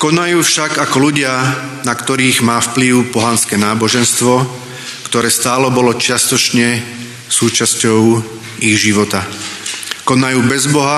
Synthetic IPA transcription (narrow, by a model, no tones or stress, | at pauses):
kɔnajuːfʃaɡakɔluɟɪa | nakt̪ɔɾiːɣmaːfpliʊpɔɦanskɛːnaːbɔʒɛnst̪ʋɔ | kt̪ɔɾɛːst̪aːlɛbɔlɔt͡ʃɪast̪ɔt͡ʃɲɛ | suːt͡ʃascɔʊ | iɣʒiʋɔt̪a | kɔnajuːbɛzbɔɦa